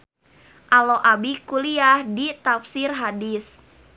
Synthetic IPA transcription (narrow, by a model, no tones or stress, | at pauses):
ʔaloʔabikuliahdit̪apsirɦadis